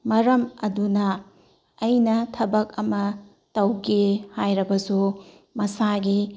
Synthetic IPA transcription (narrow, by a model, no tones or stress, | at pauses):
mɐɾɐmɐdunɐː | jnɐtʰɐbɐkɐmɐ | tɐwɡehajɾɐbɐsu | mɐsaɡi